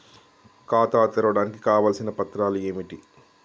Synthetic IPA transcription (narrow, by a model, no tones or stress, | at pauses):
kaːt̪aːt̪ɐɾɐʋɐɽaːnikikaːʋaːlsinɐpɐt̪ɾaːlue̞ːmiʈi